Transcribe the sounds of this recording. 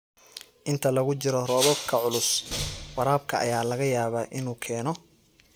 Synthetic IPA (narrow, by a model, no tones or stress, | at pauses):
ʔɪnt̪ʰɐlɐɣʊt͡ʃɪɾɔrɔːðɔbkʰɐʕʊlʊswɐɾaːb̚kʰɐʔɐ̰jaːlɐɣɐjaːβaːʔɪnuːkʰɛːnɔ